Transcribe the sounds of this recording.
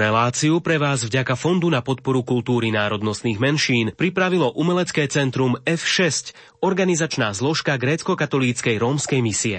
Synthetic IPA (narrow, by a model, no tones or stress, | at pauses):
ɾɛlaːt͡siupɾɛʋaːzvɟakafɔnd̪unapɔt̪̚pɔɾukult̪uːɾinaːɾɔd̪nɔst̪niːɣmɛnʃiːnpɾipɾaʋilɔʔumɛlɛt͡skɛːt͡sɛnt̪ɾumɛfʃɛsc | ɔɾɡanizat͡ʃnaːzlɔʃkaɡɾɛːt͡skɔkat̪ɔliːt͡skɛjɾɔːmskɛjmisiɛ̰